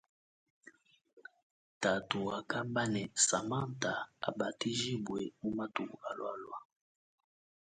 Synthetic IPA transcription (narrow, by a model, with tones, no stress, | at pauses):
ta˨tu˨a˨ka˦mba˦nɛ˨sa˨ma˦n˨ta˨a˨ba˨ti˦ʒi˦bwe˨mu˦ma˦tu˨a˨lwa˦lwa˦